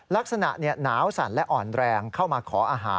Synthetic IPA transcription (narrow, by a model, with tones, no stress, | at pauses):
la˦˥k̚sa˧na̰˨˩ʔni˥˩ɐnaː˩˦˥wsa̰˩˦nlɛ˦˥ʔɔː˨˩nɾɛː˧ŋkʰa˥˩wmaː˧kʰɔː˩˦ʔaː˧ɦa̰ː˩˦